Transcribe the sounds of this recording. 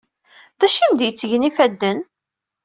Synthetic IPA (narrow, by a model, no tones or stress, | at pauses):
ðæʃind̪jət͡sːəʝnifæd̪ːən